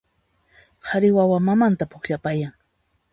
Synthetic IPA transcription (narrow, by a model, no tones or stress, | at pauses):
qʰaɾɪwawamamant̪apʊkʎapajaŋ